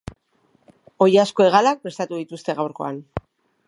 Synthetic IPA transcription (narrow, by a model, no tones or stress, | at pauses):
o̞jasko̞e̞ɣ̞alak̚pɾe̞st̪at̪uðit̪ust̪e̞ɣawɾko̞̰an